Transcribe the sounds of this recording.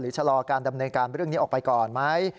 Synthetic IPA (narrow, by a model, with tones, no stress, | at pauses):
ɾɯː˩˦t͡ɕʰa˧lɔː˧kaː˧nda˧mnɤː˧nkaː˧nɾɯ˥˩əŋni˦˥ʔɔː˨˩pa˧jkɔː˨˩nma˦˥j